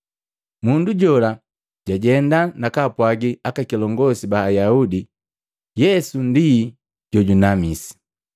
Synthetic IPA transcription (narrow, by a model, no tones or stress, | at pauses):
munduɟɔla | ɟ̥aɟɛndanakapwaɡiakakilɔŋɡɔsibaːjaudi | jɛsundi | ɟ̥ɔɟunamisi̥